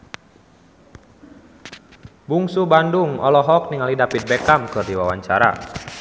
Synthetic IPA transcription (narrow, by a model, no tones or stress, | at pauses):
buŋsubanduŋɔ̰lɔɦɔk̚niŋalidapit̪̚bɛkamkɨrdiwawaɲt͡ʃaɾa̰